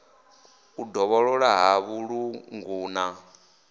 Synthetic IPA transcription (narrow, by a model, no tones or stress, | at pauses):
udɔβɔɺɔɺaɦaβuɺuŋɡuːna